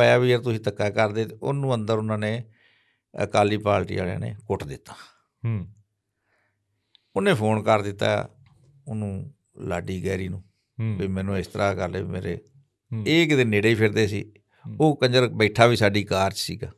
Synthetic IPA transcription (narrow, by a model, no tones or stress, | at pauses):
əjaːʋiːəɾt̪ʊsĩːt̪əkːaːkəɾd̪eːt̪eʊ̰nũːənd̪əɾʊnãːneː | kaːliːpaːlʈḭaːlã̰ːnḛːkʊʈd̪ɪt̪ːḁː | ʊnẽːpʰoːnkəɾd̪ɪt̪ːa̰ː | ʊnũː | la̰ːɖiːɡɛːɾiːnũː | biːmɛːnũːɪst̪əɾʔaːkəɾleːimḛːɾḛː | eːkd̪eːneːɽeiːpʰɪɾd̪eːsḭː | oːkəɲd͡ʒəɾbəiʈʰaːʋiːsaːɖiːkaːɾd͡ʒsiːɡa̰ː